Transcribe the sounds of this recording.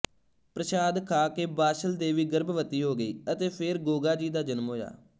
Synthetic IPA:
pɾəʃaːd̪kʰaːkeːbaːʃəld̪eːʋiːɡəɾbʋət̪iːɦoːɡəḭːət̪eːpʰɪɾɡoːɡaːd͡ʒiːd̪aːd͡ʒənmɦoːja̰ː

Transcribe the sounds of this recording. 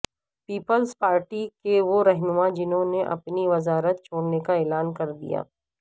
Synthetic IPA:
piːpəlzpaːɾʈikeʋoɾɛɦnʊmãd͡ʒɪnɦõneʔɐ̰pniʋɐzaːɾət̪t͡ʃʰoːɽnekaɛːlaːnkɐɾd̪ḭja̰ː

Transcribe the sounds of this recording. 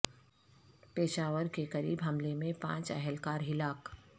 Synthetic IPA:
peːʃaːʋəɾkekɐɾḭːbɦɐmlemẽpã̰ːt͡ʃɛɦɛlkaːɾɦɪlaːk

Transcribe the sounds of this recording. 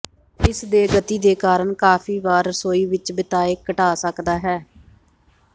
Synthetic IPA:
ɪsd̪eːɡət̪iːd̪eːkaːɾəɳkaːpʰiːʋaːɾsoːiːʋɪt͡ʃbɪt̪aːeːkːəʈaːsəkd̪aːɦɛː

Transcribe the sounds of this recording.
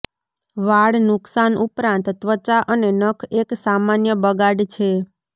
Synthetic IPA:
ʋaɽnʊksanʔupɾãnt̪ːʋət͡ʃaʔənenəkʰeksamanjəbəɡaɖt͡ʃʰe

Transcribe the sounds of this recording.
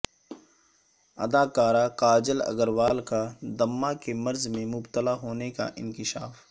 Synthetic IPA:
ɐ̰d̪aːkaːɾakaːd͡ʒəlɐ̰ɡəɾʋaːlkad̪ɐmːakemɐɾzmẽmʊbt̪əlaɦoːneka̰ʔɪ̰̃nkɪʃa̰ːf

